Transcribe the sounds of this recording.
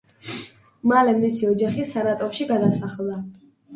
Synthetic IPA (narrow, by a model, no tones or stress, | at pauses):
malɛmisiɔd͡ʒaχisanat̪ʼɔɾʃiɡad̪asaχlˠda